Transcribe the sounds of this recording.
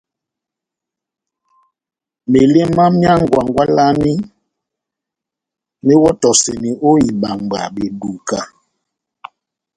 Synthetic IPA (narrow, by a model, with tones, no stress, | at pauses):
me˨le˦ma˦mja˦ŋɡwa˨ŋɡwa˦la˦mi˦ | me˦wɔ˦tɔ˨se˨ni˨ʔo˦i˨ɓa˨mɡ͡ba̰˨ɓe˨du˨ka˨